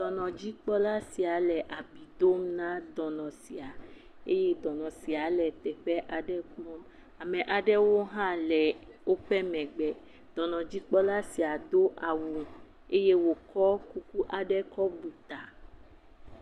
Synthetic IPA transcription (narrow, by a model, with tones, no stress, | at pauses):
d̪ɔ˨nɔ̃˨d͡ʑi˦k͡pɔ˦la˦si˨a˨lɛ˨ʔa˨bi˨d̪o˦m˦nã˦d̪ɔ˨nɔ̃˨si˨a˨ | ḛ˦je˦d̪ɔ̃˨nɔ̃˨si˨a˨lɛ˨t̪ɛ˨ɸɛ˦ʔa˨ɖɛ˦k͡pɔ̃˦m | a˨mɛ̃˨ʔa˨ɖɛ˦wo˦ɦã˦lɛ˨ | wo˦ɸɛ˦mɛ̃˨ɡ͡bɛ˨ | d̪̥ɔ̃˨nɔ̃˨d͡ʑi˦k͡pɔ˦la˦si˨a˨d̪o˦ʔa˨wu˨ | e˦je˦wo˨kɔ˦ku˦ku˦ʔa˨ɖɛ˦kɔ˦bu˨t̪a˨